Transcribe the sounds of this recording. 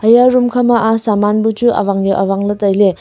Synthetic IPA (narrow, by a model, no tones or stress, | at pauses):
ɐjaɾumkʰamaʔasamanbut͡ʃua̰βaŋjuʔaβaŋlɯtɐjle